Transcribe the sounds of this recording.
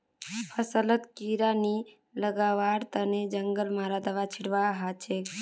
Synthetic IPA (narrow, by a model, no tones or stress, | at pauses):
pʰəsələt̪kiɾani | ləɡaʋaɾt̪əned͡ʒəŋɡəlmaɾad̪əʋat͡ʃʰiɽʋaɦat͡ʃʰe